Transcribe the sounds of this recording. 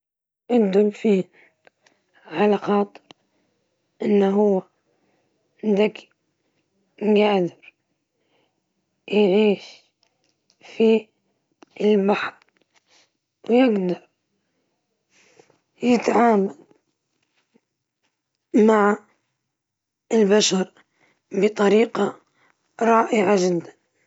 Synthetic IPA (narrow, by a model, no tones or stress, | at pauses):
ʔɪɡd̪ʊmfiː | ʕalaxɑːt̪ˤɨ̥ɾ | ʔɪnːɦʊwːa | nd̪aki̥ | mɡaːd̪ɪɾ | jʕiːʃ | fi | ɪlbaħɑɾˤ | wjɪɡd̪ɑɾˤ | jɪt̪ʕaːmal | maʕ | ɪlbaʃɑɾˤ | bɨt̪ˤɑɾiːqa | ɾˤɑːʔɪʕad͡ʒɪd̪ːan